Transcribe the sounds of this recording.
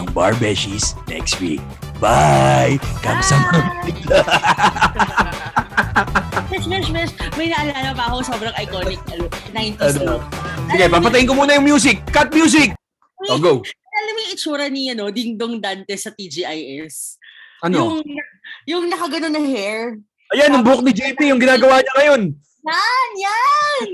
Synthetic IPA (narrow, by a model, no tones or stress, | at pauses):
ɐŋba̰ɹbɛʃisnɛ̰kst̪wḭk̚ | bajkɐmsɐmɐmlɪk̚t̪a | ɛʃmɛʃmɛsmɐjnɐʔɐlaːɡɐpɐʔɐko̞so̞bɾɐŋʔɐjkonɪk̚ɐlonaj̪ɐosɪɡɛpapɐt̪ɐjɪ̃nkomuːnɐjʊŋmjuːs̬ɪkːɐt̪̚mjuːs̬ɪk̚ | oɡowɐlɐmiɪt͡ʃuːɾɐniɐno̞d̪ɪnd̪oŋd̪ant̪ɛsɐt̪id͡ʒiʔajʔɛs | ʔɐnoʊŋjʊŋnɐkɐɡɐnonːɐhɛɹ | ʔɐjanːʊŋbʊok̚nɪd͡ʒɛjpijʊŋɡɪnaːɡɐwaːɲɐŋɐjo̞n | janjan